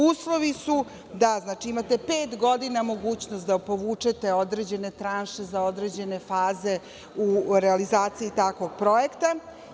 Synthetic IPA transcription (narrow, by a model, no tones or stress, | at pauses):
uːslˠo̞ʋisu | d̪aznaːt͡ʃiimat̪e̞peːt̪ɡo̞d̪inamo̞ɡuːt͡ɕnost̪d̪apo̞ʋuːt͡ʂet̪e̞o̞d̪ɾed͡ʑe̞ne̞t̪ɾanʃe̞zao̞d̪ɾe̞d͡ʑe̞ne̞faːze̞ | uɾealizaːt̪siit̪akʋo̞ɡpɾo̞ekt̪a